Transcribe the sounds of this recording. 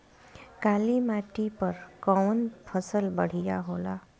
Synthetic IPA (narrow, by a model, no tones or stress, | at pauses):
kalimaʈipəɾkɔwnpʰəsəlbəɽ̤ija̰ɦola̰